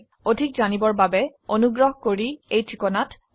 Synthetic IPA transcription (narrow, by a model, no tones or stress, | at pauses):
odʱik̚zanibɔɹbabɛonuɡɹɔɦkoɹiejtɹikɔnat